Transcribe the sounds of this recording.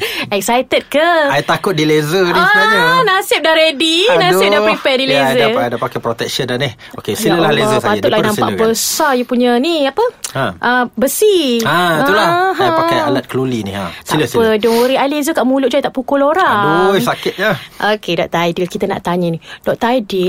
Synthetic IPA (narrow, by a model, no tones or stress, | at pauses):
ɛk̚sajt̪ət̚kəajt̪akʊt̪̚dilezəiaɲənasɪp̚daɾedinasɪpdapɾipɛdilezaadapakajpɾot̪ɛk̚ʃənanih | okeiləleəsapat̪ʊt̪̚lanãmpa̰ʔbəsajupuɲəniapəaʔəbəsiat̪ulaɦajpakajalat̪̚kəlulinḭa̰t̪aədɔŋoɾiajlezəkaʔmulʊʔ̚d͡ʒuajt̪aʔpukuloɾaŋojsakɪt̪̚jaʔokedɔ̰ʔt̪ajdilkit̪əna̰ʔt̪aɲənidɔʔt̪ajdil